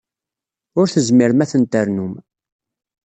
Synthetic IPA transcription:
ʊɾθəzmɪɾmæθənt̪əɾnum

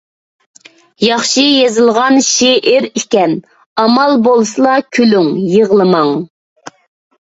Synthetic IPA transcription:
jɑχʃɨjezɨlˠʁɑnʃeʔɪɾikʲɛn | ɑmɑlˠbolˠsɨlˠɑkʲʰylyŋjəʁlˠɨmɑŋ

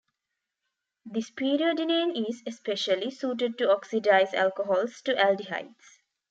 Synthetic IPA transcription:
d̪ispiːɾiəɖinẽːnizespeʃəlisuːʈ̬əɖ̚ʈuɔksiɖaɪzæ̰lkoɦɔːlsʈuʔælɖiɦa̰ɪʈs

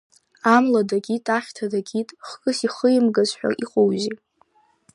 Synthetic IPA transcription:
amladaɡʲitʼaχʲtʰadaɡʲitʼχkʼɨsiχəjɪmɡazħʷᶣa̰ʔiqʼowzi

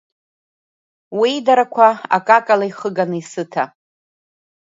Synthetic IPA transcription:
widaɾakʷʰaa̰kʼakʼalaiχəɡanɨisɨtʰa

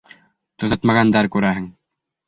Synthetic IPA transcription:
t̪ŏɤt̪mɑʁɑnd̪ɑɾkʉɾæɦɘŋ

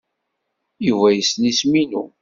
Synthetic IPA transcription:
juvæjəsnisminu

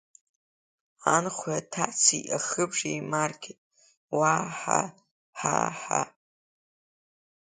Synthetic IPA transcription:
anχʷatʰaʔt͡sʰiʔaχɨbʐijmarkʲʰetʼ | waħa̰ | ħaħa̰

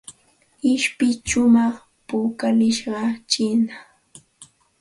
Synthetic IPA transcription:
ɪʃpɪt͡ʃʊmɑχ | puːkalɪʃɢɑt͡ʃɪna

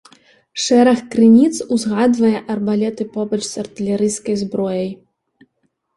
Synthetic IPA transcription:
ʂɛɾɐxkɾɨnʲit̪suzɣad̪vɐjɛʔɐrbalʲɛt̪ɨpɔbɐt͡ʂsɐrt̪ɨlʲɛɾɨjskɐjzbɾɔjɐj

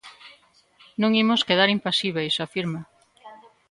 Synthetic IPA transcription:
nõŋimoskeðaɾimpasiβejsafiɾma

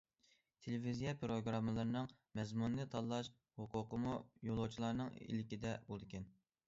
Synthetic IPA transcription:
t̪ʰelɪvizijɛpʰɾoɡɾɑmːɨlˠɨɾnɨŋmɛzmunːɨt̪ʰɑlˠːɑʃ | hʊqʰʊqəmujolˠot͡ʃʰilˠɑɾnɨŋḭlɪkʲid̪ɛbolˠd̪ɨkʲɛn

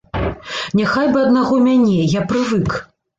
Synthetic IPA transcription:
nʲaxajbɨɐd̪naɣɔmʲanʲɛjapɾɨvɨk

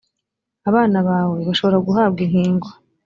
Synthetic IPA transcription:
aβaːnaβaːwe̞βaʃo̞βo̞ɾaɡuɦaːb̚ɡin̥hiːŋɡwa

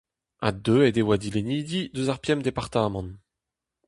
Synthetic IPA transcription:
a̰d̪øɛd̪ewad̪ileniːd̪id̪øzaʁpjɛmd̪epaʁt̪aːmɑ̃n

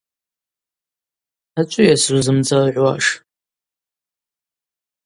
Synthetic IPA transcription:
at͡ʃʷʼʊjasuzɨmd͡zalʕʷwaʂ

